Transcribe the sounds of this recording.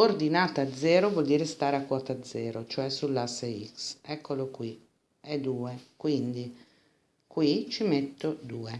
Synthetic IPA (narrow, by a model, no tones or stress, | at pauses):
ord̪inaːt̪aːd̪zːɛːɾovɔld̪iːɾest̪aːɾeakːwɔːt̪ad̪zːɛːɾot͡ʃoɛsulːasːeiksɛkʰːolokwi | ɛd̪uːekwind̪i | kwit͡ʃimet̪ːod̪uːe